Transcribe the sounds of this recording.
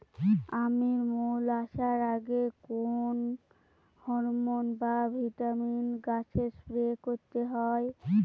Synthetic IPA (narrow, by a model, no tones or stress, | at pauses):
amiɾmulaʃaɾaɡekon | hɔɾmonbabʱiʈaminɡat͡ɕʰespɾekoɾt̪eɦɔe